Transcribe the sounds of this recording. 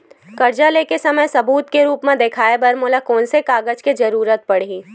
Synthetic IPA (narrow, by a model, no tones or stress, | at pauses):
kɐɾd͡ʒaleːkesɐməjsɐbuːt̪keɾuːpmẽd̪eːkʰaːebɐɾmoːlakɔːnsekaːɡəd͡ʒked͡ʒɐɾuːɾət̪̚pɐɽiː